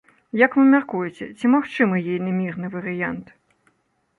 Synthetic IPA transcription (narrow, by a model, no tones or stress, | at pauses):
jɐkvɨmʲarkujɛt͡sʲɛ̰t͡sʲimaxt͡ʂɨmɨjijnʲɨmʲirnɨvɐɾɨjant̪